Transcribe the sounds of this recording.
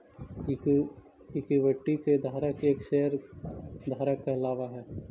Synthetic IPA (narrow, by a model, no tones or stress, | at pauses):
ɪkiʋəʈːiked̪ʱaːɾəkeːkʃeɦəɾd̪ʱaːɾəkːeɪlaːʋaɦɛː